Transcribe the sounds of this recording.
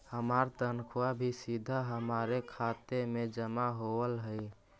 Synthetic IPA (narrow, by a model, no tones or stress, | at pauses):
həmaɾt̪ənkʰwabʱisid̪ʱaɦəmaɾekʰat̪emed͡ʒəmaɦowəlɦəɪ